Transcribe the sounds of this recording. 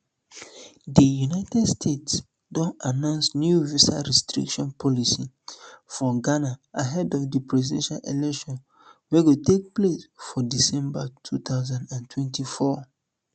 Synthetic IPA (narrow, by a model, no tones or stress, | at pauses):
dijunaɪtɛdstʰets | dɔ̃nanãnsnjuvisaɹɛstɹḭkʃɔ̃npʰɔlisi | fɹɔ̃ɡanaaɦɛdɔfdəpɹɛzidɛ̃nʃalʔelɛkʃɔ̃n | wɛɡotek̚plesfɔdisɛ̃mbatʰut̪ʰaʊzãndãntʰwɛ̃ntifɔ